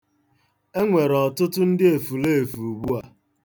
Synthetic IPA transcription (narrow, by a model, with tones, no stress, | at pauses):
e˦ŋʷe˨ɾɔ˨tʊ˦tʊ˦n̩˦dɪ˦e˨fu˨le˦e˨fu˨ɡ͡bu˦a˨